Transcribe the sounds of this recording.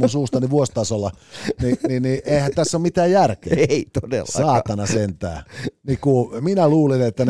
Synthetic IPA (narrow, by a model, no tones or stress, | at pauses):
unsuːst̪ɑniʋuost̪ɑsolːɑnininiʔeihænt̪æsːomit̪æːjjærkḛːit̪odḛlːsɑːt̪ɑnɑsent̪æ̰ːnikuminæluːlinet̪ːæn